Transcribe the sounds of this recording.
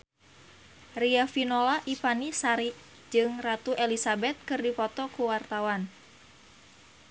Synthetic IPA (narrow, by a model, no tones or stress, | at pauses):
riafinolaʔipanisaɾi | d͡ʒɨŋrat̪uʔɛlisabɛt̪̚kɨrdipɔt̪ɔkuwart̪awan